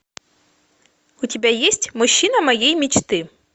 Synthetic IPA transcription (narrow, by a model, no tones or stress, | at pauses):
ʊtʲɪbʲajesʲtʲmʊɕːinɐmɐjejmʲit͡ɕt̪ɨ